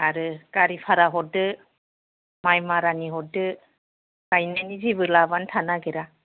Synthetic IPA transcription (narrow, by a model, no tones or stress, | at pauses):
aɾɯkaɾipʰaɾaɦɔt̚dɯ | majmaɾaniɦɔt̚dɯ | kajnaniziβɯlabantʰanaɡeɾa